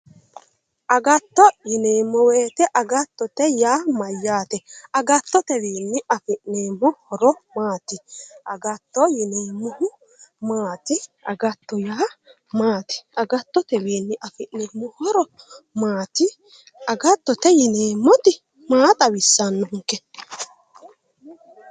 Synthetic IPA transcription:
ʔɐɡɐt̪ːɔjɪneːmːɔweːt̪ɛʔɐɡɐt̪ːɔt̪ɛjaːmɐjːaːt̪ɛɐɡɐt̪ːɔt̪ɛwiːnːɪɐfɪʔneːmːʊhɔɾɔmaːt̪ɪʔɐɡɐt̪ːɔjɪneːmːʊhʊ | maːt̪ɪɐ̰ɡɐt̪ːɔjaː | maːt̪ɪ̥ʔɐɡɐt̪ːɔt̪ɛwiːnːɪʔɐfɪʔneːmːʊhɔɾɔ | maːt̪ɪ | ɐɡɐt̪ːɔt̪ɛjɪneːmːɔt̪ɪ | maːt̪ʼɐwɪsːɐnːɔŋkːɛ

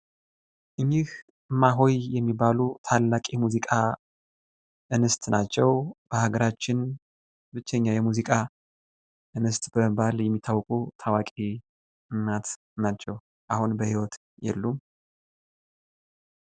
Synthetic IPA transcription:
ʔɨɲːɪh | maɦo̞jjɛmːibalut̪ʰalːakʼimuzikʼa | ʔɨnɨst̪ʼnat͡ʃːɛwb̥əhaɡəɾat͡ʃːɪn | bɨt͡ʃːɛɲːajɛmuzikʼa | ʔɨnɨst̪ʼbəməbaljɛmːit̪ʰːawkʼut̪ʰawakʼi | ɨmːat̪ | nat͡ʃːɛw | ʔahunbəhiwɔt̪ | jɛ̰lːum

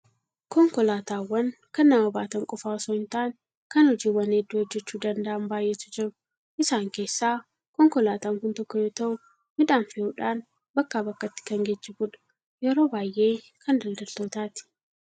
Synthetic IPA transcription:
kɔŋkɔlaːt̪aːwːɐn | kɐnːɐmɐbaːt̪ɐŋkʼɔfaːɔsoɪnt̪aːŋ | kɐnhɔd͡ʒiːwɐnɛd̪ːuːhɔd͡ʒːɛt͡ʃːuːd̪ɐnd̪ɐʔɐmbaːjʔːɛt̪ːʊd͡ʒɪɾʊ | ʔɪsaːŋke̞ːsːaː | kɔŋkɔlaːt̪aːŋkʊnt̪ɔkːɔjoːt̪ɐʔʊ | mɪᶑ̪aːnfɪjuːᶑaːn | bɐkːaːbɐkːɐt̪ːɪ̥kɐŋɡet͡ʃːɛbuᶑɐ̥ | jɛɾo̞ːbaːjʔe̞ː | kɐnd̪ɐld̪ɐlt̪oːt̪aːt̪ɪ̥

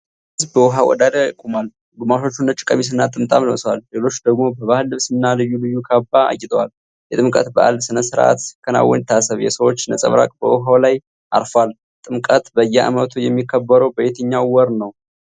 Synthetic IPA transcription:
ɨzbəwɔɦawɔ̰d̪ad̪əkʼumal | ɡumaʃo̞t͡ʃːunːət͡ʃʼɪ̥kʼəmis̬ɨnːat̪ʼɨmt̪ʼamlmswalːe̞lo̞t͡ʃːd̪əɡmo̞bəβahɨlːɨβsɨnːalɨjːulɨjːukʰabaa̰jɪt̪ʼəwal | jɛt̪ʼɨmkʼət̪bəʔa̰ldsɨnəsɨɾʔa̰t̪kʰəna̰wːɔ̰ɲt̪ʰasəβjɛ̰səwo̞t͡ʃːnəsʼə̰βɾa̰kʼbəwɔɦawlaj | ʔa̰ɾfwal | t̪ʼɨmkʼət̪bəjːɛʔa̰mət̪ʰujɛmːikʰːəbːəɾəwbəjet̪ʰəɲːawwɔɾnəw

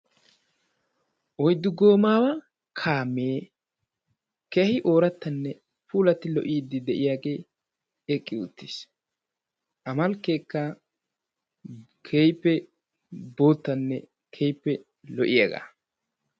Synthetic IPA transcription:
ʔɔjd̪ːʊɡo̞ːmaːwɐ | kʰaːmːeː | kehɪʔoːɾɐt̪ːɐnːɛ | puːlɐt̪ːɪlɔʔiːd̪ːɪd̪ɛʔɪjaːɡe̞ː | ɛkʼːɪʊ̰t̪ːis | ʔɐmɐlke̞ːkːɐ | kʰejpːɛ | bo̞ːt̪ːɐnːɛ̰ | kʰɛjpːɛ | lɔʔɪjɐɡa̰ː

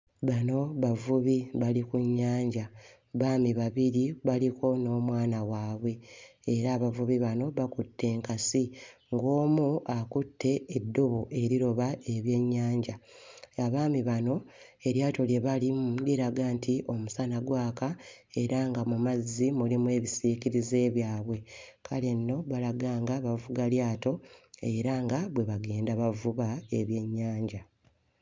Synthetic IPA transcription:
βano̞βavuβiβalikuɲːaːɲɟa | βaːmiβaβiɾiβaliko̞no̞ːmwaːnawaːβwe̞ːɾaːβavuβiβano̞βakutːe̞ːŋkasi | ŋɡo̞ːmuakutːe̞ːdːoβoʔe̞ɾiɾo̞βae̞βje̞ɲːaːɲɟaaβaːmiβano̞e̞ɾjaːto̞lje̞βalimdiɾaɡaːntʰiʔo̞musanaɡwaːkae̞ɾaŋɡamumazːimulimwe̞ːβisiːkiɾize̞ːβjaːβwe̞kʰale̞nːo̞βalaɡaːŋɡaβavuɡaljaːto̞eɾaŋɡaβwe̞βaɡe̞ːndaβavuβae̞βje̞ɲːaːɲɟa

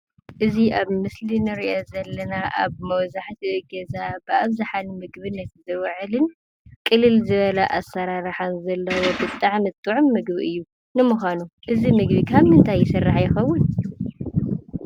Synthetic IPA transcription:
ʔɨziʔaβmɨslinɨɾiʔozɐlːɐnaʔa̰βmɐwzaħt̪ʰiɨɡɐzabɨʔaβzaħanmɨɡβɨnːɐt̪zɨwʕɨlɨn | kʼɨlːɨlzɨβɐlaʔasːɐɾaɾħanzɐlːɐwobɨt̪ʼːaʕmɨt̪ʼːuʕʊmːɨɡbiʔɨjːu | nɨmuxanuʔɨzimɨɡ̚bikʰaβmɨnt̪ʰajːɪsɨrːaħjɪxɐwːʊn

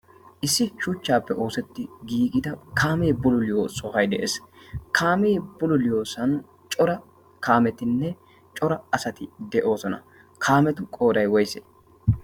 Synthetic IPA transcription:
ʔɪsːɪʃʊt͡ʃːaːpːɛʔo̞ːsɛt̪ːɪɡiːɡʼɪd̪ɐkʰaːmeːbʊlʊlɪjoːsɔhɐjd̪ɛʔeːskʰaːmeːb̥ʊlʊlɪjo̞ːsɐnʊ | t͡ʃʼɔɾɐ | kaːmɛt̪ɪnːɛ | t͡ʃʼɔɾɐɐsɐt̪ɪd̪ɛʔo̞ːsɔnɐ̰ | kʰaːmɛt̪ʊkʼo̞ːd̪ɐjwɔjsḛː

